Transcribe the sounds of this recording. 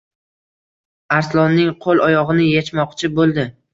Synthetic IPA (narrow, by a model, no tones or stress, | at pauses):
aɾslˠɒnːɪŋqʰolˠɒjɒʁɨnɪjet͡ʃmɒqt͡ʃʰɪbolˠd̪ɪ